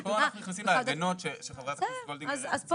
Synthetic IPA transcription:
boanaχnuniχnasimleaɡano̞tʃeʃeχavʁeasɡold̪iazazp

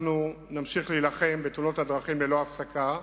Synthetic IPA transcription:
nunamʃiχliːlaχe̞mbet̪uno̞thad̪ʁaχimlelo̞afsakʰa

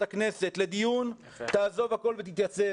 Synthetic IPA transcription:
aknese̞t̪le̞d̪ijun | t̪aːzo̞vhako̞lvet̪̬it̪jat͡se

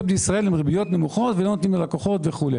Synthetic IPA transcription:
blejisʁae̞limʁebijo̞t̪nemuχo̞t̪velo̞not̪nimalakoχo̞t̪veχule

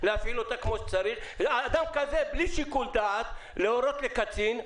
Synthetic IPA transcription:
leafilot̪akmo̞ʃe̥t͡saɾiχaːd̪amkazebliʃikuld̪aːt̪leoɾo̞t̪lekat͡sin

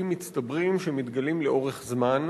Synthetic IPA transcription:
imːit͡st̪abʁimʃemit̪ɡalimleo̞ʁeχzman

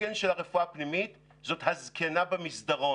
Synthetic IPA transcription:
enʃelaʁe̞fuapnimit̪ | zo̞t̪hazkʰenabemisd̪aʁo̞

